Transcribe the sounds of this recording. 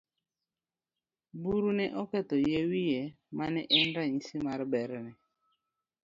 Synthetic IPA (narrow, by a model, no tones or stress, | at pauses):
buɾunɛʔɔkɛt̪ɔjewije | manɛʔɛndaɲisimaɾɪbɛɾɛnɛ